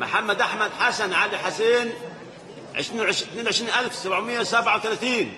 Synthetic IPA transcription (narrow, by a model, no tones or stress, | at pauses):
mʊ̰ħamːæd̪ʔaħmad̪ħasanʕaliħaseːn | ʕḛʃɾiːwʕeʃt̪neːnʕeʃɾiːnʔalfsabʕmɪjːasabʕawt̪ælæt̪iːn